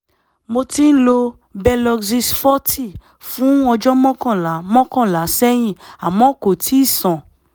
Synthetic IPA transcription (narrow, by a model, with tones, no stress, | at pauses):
mo˧tĩ˦n̩˦lo˧ | bɛ˧lɔ˧kzi˧sfɔ˦ti˦˨ | fũ˨˦ɔ˧d͡ʒɔ˦mɔ̃˦kɔ̃˦˨la˨˦mɔ̃˦kɔ̃˦˨la˨˦sɛ˦j̃ĩ˦˨a˨mɔ̃˨˦ko˨tʰi˨˦˨sɔ̃˨